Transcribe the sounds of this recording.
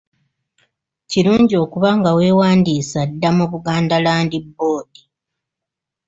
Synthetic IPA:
ciɾuːɲɟio̞ːkuβaŋɡawe̞ːwaːndiːsadːamuβuɡaːndalaːndibːo̞ːdi

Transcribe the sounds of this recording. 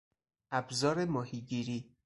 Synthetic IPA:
ʔæbzɒːɾemɒːhiːɟiːɾiː

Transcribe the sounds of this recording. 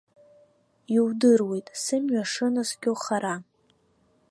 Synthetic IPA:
jwdɨrwe̞jtʼsɨmɥaʂɨnɨsɡʲowχaɾa

